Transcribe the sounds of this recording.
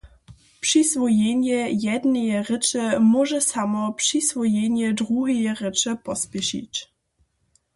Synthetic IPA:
pʂisvɔjɛɲjɛjɛd̪nɛjɛrɘt͡ʂɛmɔʐɛsamɔpʂisvɔjɛɲjɛdɾuɦɛjɛʁɘt͡ʂɛpɔspʲjɛʃḭt͡ɕ

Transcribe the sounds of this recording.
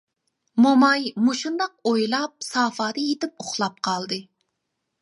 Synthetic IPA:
momɑjmuʃund̪ɑq̚ojlˠɑp̚sɑːfɑːd̪əjet̪ɪp̚oχlˠɑp̚qʰɑlˠd̪ɨ

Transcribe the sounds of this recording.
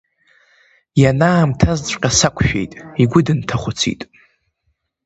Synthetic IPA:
janaːmtʰazt͡sʷʼqʲʼasakʷʰʃᶣḛjtʼiɡʷʊdɨntʰaχʷʊt͡sʰḭtʼ

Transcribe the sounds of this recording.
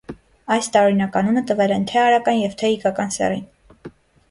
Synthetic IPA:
ɑjst̪ɑɾɔɾinɑkɑnunət̪əvɛlɛnt̪ʰɛɑɾɑkɑnjɛvt̪ʰɛikɑkɑnsɛ̰rin

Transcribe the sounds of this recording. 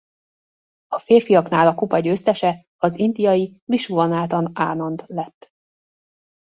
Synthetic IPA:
ɒfeːrfijɒkn̪aːlɒkupɒɟøːst̪ɛʃɛ | ɒzind̪ijɒjiviʃuvɒnaːt̪ɒna̰ːnɒnd̪lɛt̪ː

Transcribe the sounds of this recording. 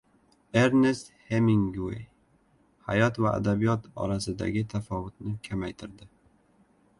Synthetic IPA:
eɾnest̪hemiŋɡuḛj | ha̰jɒt̪vaa̰d̪abijɒt̪ɒ̰ɾasɪd̪a̰ɡʲɪt̪ʰafɒvʊt̪̚nɪkʲʰamajt̪ʰɪɾd̪ɪ

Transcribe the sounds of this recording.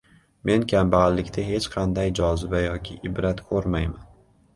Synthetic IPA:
me̞nkʲʰambalːɪkʲt̪ʰaɦe̞t͡ʃqʰɑnd̪ajd͡ʒɒzɪbajɒkʲʰɪʔɪbɾat̪kʰɵɾmajman

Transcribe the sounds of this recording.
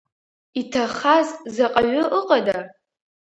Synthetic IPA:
itʰaχazzaqʼaɥʷʊʔəqʼada

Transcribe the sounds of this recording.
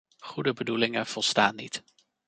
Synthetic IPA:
χudəbədulɪŋənv̥ɔlˠstaːnːit

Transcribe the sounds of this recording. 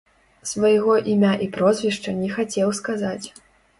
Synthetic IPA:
svɐjɣɔʔimʲaʔipɾɔzʲvʲiʂt͡ʂɐnʲɛxat͡sʲɛwskazat͡sʲ

